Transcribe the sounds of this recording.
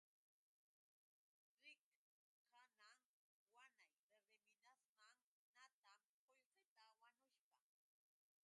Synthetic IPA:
ɾɪk | kanaŋ | wanajɾeɾɪmɪnasmaŋ | nat̪am | nojqɪt̪awanʊʃpɑ

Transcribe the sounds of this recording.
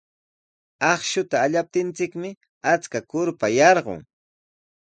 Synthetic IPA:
ɑχʃʊt̪aːʎap̚t̪ɪnt͡sɪkmɪ | at͡skakʊɾpajɑɾɢo̰ŋ

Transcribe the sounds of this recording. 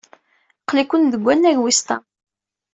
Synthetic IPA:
qlikʷːənðəɡʷːænːæʝwist̪ɑ̰

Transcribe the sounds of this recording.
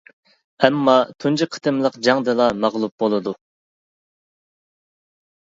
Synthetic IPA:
ɛmːɑt̪ʰunt͡ʃʰiqʰə̥t̪ʰɨmlˠəqd͡ʒɑŋd̪ɨlˠɑmɑʁlˠup̚bolˠɨd̪u

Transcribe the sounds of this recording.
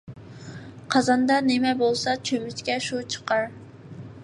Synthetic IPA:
qʰɑzɑnd̪ɑnɪmɛbolˠsɑt͡ʃʰømyt͡ʃkʲɛʃut͡ʃʰə̥qɑɾ

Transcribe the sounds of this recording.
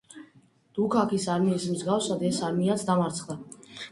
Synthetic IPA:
d̪̥ukʰakʰisaɾmiːsmzɡafsad̪ɛsaɾmiat̪sʰd̪amaɾt̪sʰχd̪a

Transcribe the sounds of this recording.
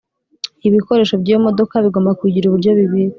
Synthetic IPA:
iβiko̞ɾe̞ːʃo̞bɟijomo̞do̞kaβiɡo̞ːmbakwiɟiɾuβuɾɟo̞βiβiɾi

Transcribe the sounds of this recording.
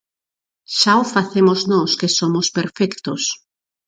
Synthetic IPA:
ʃawfaθemoznɔskesomospeɾfɛkt̪os

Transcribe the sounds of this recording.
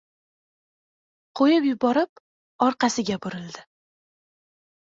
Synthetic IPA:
qʰojɪpjʊbɒɾɪp̚ | ɒɾqɑsɪɡʲabʊɾɪld̪ɪ

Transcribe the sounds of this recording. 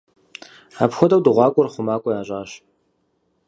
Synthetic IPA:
apxʷɔdɐwdɨʁʷɑːkʷʼɔrχʷʊmaːkʷʼɔjaːʑʼaːɕ

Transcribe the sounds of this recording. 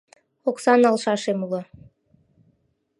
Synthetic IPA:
oksɑnɑlˠʃɑʃemulˠɤ

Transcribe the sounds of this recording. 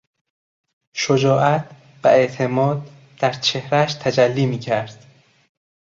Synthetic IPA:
ʃod͡ʒɒːʔæt̪ʰ | v̥æe̞ʔt̪ʰe̞mɒːd̪̚ | d̪̥æɾt͡ʃʰe̞hɾæʃt̪ʰæd͡ʒælːiːmiːcʰæɾd̪̥

